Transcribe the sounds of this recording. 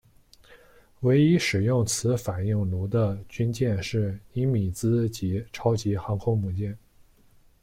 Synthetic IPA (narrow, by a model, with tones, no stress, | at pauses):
we˧˥ɪi˥ʂɻ̩˨˩jʊ˥˩ŋt͡sʰɹ̩˧˥fa˨˩ni˥˩ŋlu˧˥d̪ə˧t͡ɕy˥nt͡ɕjɛ˥˧nʂɻ̩˥˩i˧˥mi˨˩t͡sɹ̩˥t͡ɕi˧˥ʈ͡ʂʰɑ˥ʊt͡ɕi˧˥xɑ˧˥ŋkʰʊ˥ŋmu˨˩t͡ɕjɛ˥˩n